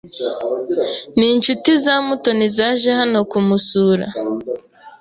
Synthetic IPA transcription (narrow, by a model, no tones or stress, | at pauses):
niːɲt͡ʃutizamuto̞nizaːʒehano̞kumusuːɾa̰